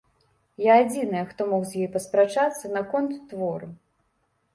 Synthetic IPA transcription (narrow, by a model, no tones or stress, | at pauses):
jaːd͡zʲinɨjɛxt̪ɔmɔxzʲjɔjpɐspɾat͡ʂat̪sːɐnɐkɔnt̪ːvɔɾu